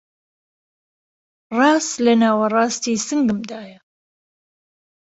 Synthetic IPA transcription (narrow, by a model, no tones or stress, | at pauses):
rɑːst̪lɐnaːwɐrˤɑːst̪iːsɨŋɡɨmd̪aːjɐ